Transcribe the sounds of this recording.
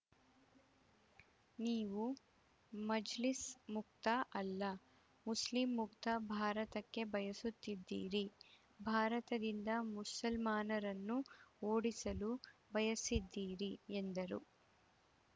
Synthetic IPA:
niːʋu | mɐd͡ʒlismuk̚t̪ɐʔɐlːɐ | muslimːukt̪ɐbʱaːɾɐt̪ɐkːe̞bɐjɐsut̪ːid̪ːḭːɾi | bʱaːɾɐt̪ɐd̪ind̪ɐmusɐlmaːnɐɾɐnːuoːɽisɐlubɐjɐsid̪ːiːɾiend̪ɐɾṵ

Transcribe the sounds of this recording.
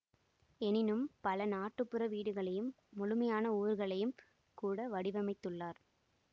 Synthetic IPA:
ɛnɪnɯmpɐlɐnaːʈːɯpːɯɾɐʋiːɽɯɣɐɭɐjɯmː | ʊɭʊmɐjaːnɐuːɾɣɐɭɐjɯm | kuːɽɐʋɐɽɪʋɐmɐɪt̪ːɯɭːaːɾ

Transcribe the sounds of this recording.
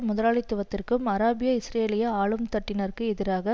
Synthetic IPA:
mʊðɐɾaːɭɪt̪ːɯʋɐt̪ːɪrkɯmɐɾaːbɪjɐɪsɾeːlɪjɐaːɭɯmt̪ɐʈːɪnɐɾkɯɛðɪɾaːɣɐ

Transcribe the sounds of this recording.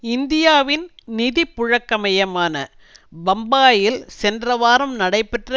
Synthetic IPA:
ɪnd̪ɪjaːʋɪnniðipːʊɻɐkːɐmɐjɐmaːnɐ | bɐmbaːjɪlsɛndrɐʋaːɾɐmnɐɽɐɪpɛʈrɐ

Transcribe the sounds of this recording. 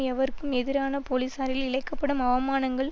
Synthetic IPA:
ɛʋɐɾkːɯmɛðɪɾaːnɐpolisaːɾɪlɪɭɐɪkːɐpːɐɽɯmɐʋɐmaːnɐŋɡɐɭ

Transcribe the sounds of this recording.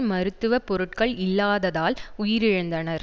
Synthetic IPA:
mɐɾɯt̪ːɯʋɐpɔɾɯʈkɐɭɪlːaːðɐðaːlʊjɪɾɪɻɯnd̪ɐnɐɾ

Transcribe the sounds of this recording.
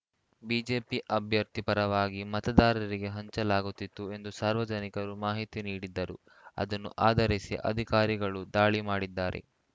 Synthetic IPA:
biːd͡ʒe̞ːpiʔɐbʱjɐɾt̪ipɐɾɐʋaːɡimɐt̪ɐd̪aːɾɐɾiɡe̞ɦɐɲt͡ʃɐlaːɡut̪ːit̪ːue̞nd̪usaːɾʋɐd͡ʒɐnikɐɾumaːɦit̪iniːɽid̪ːɐɾṵ | ɐ̰d̪ɐnːṵʔaːd̪ɐɾisḭʔɐ̰d̪ʱikaːɾiɡɐɭud̪aːɭimaːɽid̪ːaːɾḛ

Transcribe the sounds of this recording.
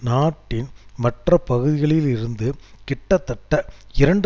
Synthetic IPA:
naːʈːɪnmɐʈrɐpɐɣɯðɪɣɐɭɪlɪɾɯnd̪ɯkɪʈːɐt̪ːɐʈːɐɪɾɐɳɖ

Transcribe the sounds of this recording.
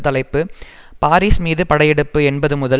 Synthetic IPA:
t̪ːɐlɐɪpːɯ | paːɾiːsmiːðɯpɐɽɐjɛɽɯpːɯɛnbɐðɯmʊðɐ

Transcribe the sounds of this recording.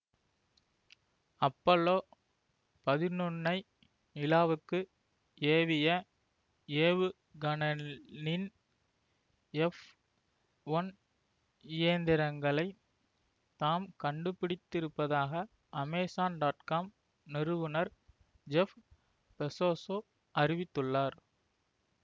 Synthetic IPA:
ɐpːɐloː | pɐðɪnɯnːɐɪ | mɪlaːʋɯkːɯ | eːʋɪjɐ | eːʋɯ | ɡɐnɐnɪn | ɛf | ʋɐn | ɪjeːnd̪ɪɾɐŋɡɐɭɐɪ | t̪aːmkɐɳɖɯpːɪɽɪt̪ːɪɾɯpːɐðaːɣɐ | ʔɐmɛːsaːnɖaːʈkaːm | nɪɾɯʋɯnɐɾ | d͡ʒɛf | pɛsoːsoː | ʔɐrɪʋɪt̪ːɯɭːaːɾ

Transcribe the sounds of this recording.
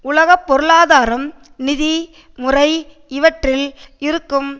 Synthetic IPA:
ʊlɐɣɐpːɔɾɯɭaːðaːɾɐm | nɪði | mʊrɐɪ | ɪʋɐʈrɪlɪɾɯkːɯm

